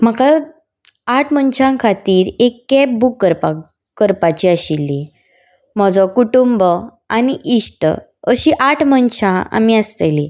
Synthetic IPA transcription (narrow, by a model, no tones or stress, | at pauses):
m̤əka | aʈʰmənɕãkʰat̪iːɾekːɛp̚bukːəɾpa | kəɾpat͡ɕiaɕilːi | m̤ɔd͡zɔkuʈumbə | aniʔisʈə̰ | əɕiʔaʈʰmənɕãa̰miəst̪eli